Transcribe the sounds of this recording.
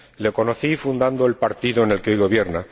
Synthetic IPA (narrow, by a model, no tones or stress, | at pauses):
le̞ko̞noθifund̪and̪oelpaɾt̪iðoene̞lkeo̞jɣo̞βje̞ɾna